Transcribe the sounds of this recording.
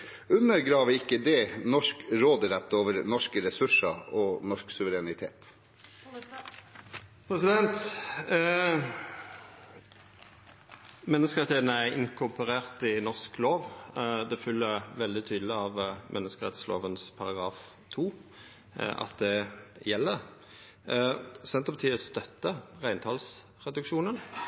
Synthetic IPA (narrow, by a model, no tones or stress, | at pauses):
ʉnːəɾɡɾɑːʋəɾɪkːəd̪ɛnɔʂkɾoːd̪əɾɛt̪ːoːʋəɾnɔʂkəɾɛsʉʂɑɔnɔʂksʉʋəɾɛnɪt̪ʰḛːt̪ | pʰɾɛsɪd̪ɛnt̪ | mɛnːəskəɾɛt̪ʰeːt̪nəæʔɪ̰ŋkʰʊpʊʁeːʁt̪ɪnɔʁskloːʋd̪ɛfʏlːəʋɛld̪ɪt̪ʰyːd̪l̩ɪɑʋmʔɛnːəskəʁɛ̰t̪slo̰ːʋənspʰɑʁɑɡʁɑːf | t̪ʰuː | ʔɑ̰t̪̚d̪ɛjɛlːəʁ | sɛnt̪ʁəpɑt̪ʰiːəst̪œt̪ːəʁæɪnt̪ʰɑːls | ʁɛd̪ʉkʃuːnən